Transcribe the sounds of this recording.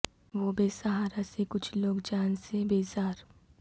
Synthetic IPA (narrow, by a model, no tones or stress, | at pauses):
ʋoːbeːsaɦaːɾasekʊt͡ʃʰloːɡd͡ʒaːnsebeːzaːɾ